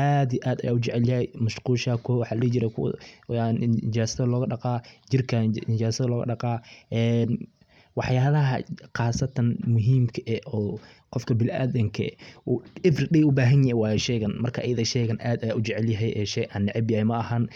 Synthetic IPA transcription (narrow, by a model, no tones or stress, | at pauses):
ʔad̪iʔaːd̪ɐjaːʊt͡ʃɛʕɛljɐɦɛjmɐʃquːʃaːkʰɔwɑħɑːlɪlit͡ʃɪɾɛkʰʊ̰nɪt͡ʃaːsɐðɐlɔːɣɐɖɑqɑːd͡ʒɪrkʰɐnɪt͡ʃaːsɐðɐlɔːɣɐ̰ɖɑqɑːʔɛːn | wɑħjaːlɐɦɐ̰qɑːsɐt̪ʰɐnmʊɦiːmkʰɐʔɛʔɔː | qɔfkʰɐbɪlʔa̰ːðɐŋkʰɐ̰ | ɪfrɗɛjʊbaːɦɐnjɐɛjwɑːjɛʃɛjɣɐnmɐrkʰɐʔjɐðɐʃɛːɣɐnʔaːd̪ɐjaːʊd͡ʒɛʕɛljɐɦɛjʔɛːʃɛjʔɐnːɪʕɪbjaɛmɐʔɐhɐn